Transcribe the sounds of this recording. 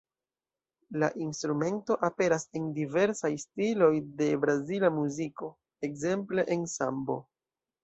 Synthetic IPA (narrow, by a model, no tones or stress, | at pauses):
laʔinstɾume̞nto̞ʔape̞ɾase̞ndive̞ɾsajstilo̞jde̞bɾazilamuziko̞ | e̞kze̞mple̞ʔensa̰mbo̞